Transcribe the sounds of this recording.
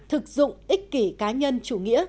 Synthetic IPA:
t̪ʰɨ˨˩k̚zʊ̰˧˨ŋ͡mʔi˦˥k̟̚ki˧˩kaː˨˦ɲə˧nt͡ɕu˧˩ŋḭ˧˥ə

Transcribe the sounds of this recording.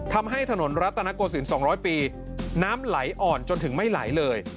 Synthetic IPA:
t̪ʰa˧mɦa˥˩jt̪ʰa˧no˩˦nɾa˦˥t̪ːa˧na˦˥koː˧s̬i˩˦nsɔː˩˦ɾɔː˦˥jpiː˧ | naː˦˥mla˩˦jʔɔː˨˩nt͡ɕo˧nt̪ʰɯ˩˦ŋma˥˩jla̰˨˩˦jlɤː˧j

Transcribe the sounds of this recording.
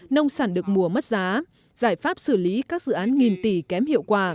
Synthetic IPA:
nə˧wŋ͡msaː˧˩nɗɨ˨˩ək̚mu˨˩əm˦˥t̚zaː˨˦ | z̥aː˧˩jfaː˦˥p̚sɨ˧˩li˨˦kaː˦˥k̚zɨ̰˧˨ʔaː˨˦nŋi˨˩nt̪i˧˩kɛ˨˦mhḭ˧˨əwkwaː˧˩

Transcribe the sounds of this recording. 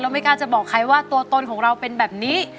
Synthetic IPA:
lːwma˥˩jkaː˧˩nt͡ɕa˨˩bɔː˨˩kʰːa˧˥jwaː˥˩t̪u˧ɐt̪o˧nkʰɔː˩˦ŋɾa˧wpe˧nbɛː˨˩p̚niː˦˥

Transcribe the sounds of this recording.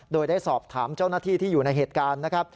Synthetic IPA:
doː˧jdaː˥˩jsɔː˨˩p̚t̪ʰaː˩˦mt͡ɕa˥˩wnaː˥˩t̪ʰiː˥˩t̪ʰiː˥˩juː˨˩na˧jɦeː˨˩t̪̚kaː˧nːa˦˥kʰɾa˦˥p̚

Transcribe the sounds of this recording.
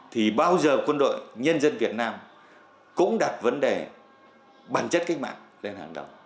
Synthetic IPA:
t̪ʰi˨˩ɓaː˧wzəː˨˩kwə˧nɗo̰˧˨jɲə˧nzə˧nvi˨˩ət̚naː˧m | kʊ̰˧˥ŋ͡mɗa˨˩t̚və˨˦nɗe˨˩ | ɓaː˧˩nt͡ɕə˦˥t̚ka˦˥k̟̚ma̰ː˧˨ŋle˧nhaː˨˩ŋɗə̰˨˩w

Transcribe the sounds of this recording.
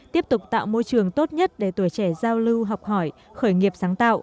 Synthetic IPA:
t̪i˦˥əp̚t̪ʊ˨˩k͡p̚t̪a̰ː˧˨wmo˧jt͡ɕɨ˨˩əŋt̪o˦˥t̚ɲə˦˥t̚ɗe˧˩t̪u˧˩əjt͡ɕɛ˧˩zaː˧wlɨ˧wɦɔ˨˩wk͡p̚hɔ˧˩j | xəː˧˩jŋi˨˩əp̚zaː˨˦ŋt̪a̰ː˧˨wʔ

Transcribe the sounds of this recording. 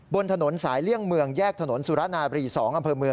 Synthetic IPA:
bo˧nt̪ʰa˧no˩˦nsaː˩˦jli˥˩əŋmɯ˧əŋjɛː˥˩k̚t̪ʰa˧no˩˦nsu˨˦ɾa˦˥naː˧ɾiː˧sɔː˩˦ŋʔa˧mpʰɤː˧mɯ˧ə

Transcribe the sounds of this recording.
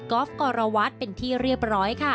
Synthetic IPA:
kɔː˦˥f̚kɔː˧ɾa˧wa˦˥t̪̚pe˧nt̪ʰiː˥˩ɾi˥˩əp̚ɾɔː˦˥jkʰa˥˩

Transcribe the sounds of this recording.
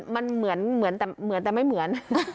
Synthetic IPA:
ma˧nmɯ˩˦ənmɯ˨˩˦ənt̪ɛː˨˩mɯː˨˩˦ənt̪ɛ˨˩ma˥˩jmɯ˩˦ən

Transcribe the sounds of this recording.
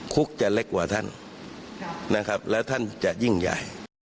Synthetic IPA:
kʰu˦˥k̚t͡ɕa˨le˧˦˥k̚waː˨˩t̪ʰa˧˥˩n | na˦˧˥kʰa˦p̚lɛː˧˩wt̪ʰa˥˨nt͡ɕa˨ʔji˧˩ŋja̰˨˩j

